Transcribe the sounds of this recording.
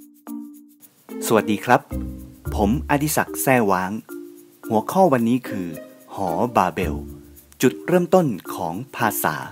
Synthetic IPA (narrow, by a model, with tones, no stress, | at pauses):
su˨˩a˩t̪̚diː˧kʰɾa˦˥pʰː | o˩˦mʔa˧t̪ʰi˦˥sa˨˩k̚sɛː˧˩waː˨˦ŋ | hu˨˩˦ɐkʰɔː˥˩wa˧nːiː˦˥kʰɯː˧hɔː˩˦baː˧be˧˩w | t͡ɕu˨˩t̪̚ɾɤː˥˩˨mt̪o˥˩nkʰɔː˩˦ŋpʰaː˧sa̰ː˩˦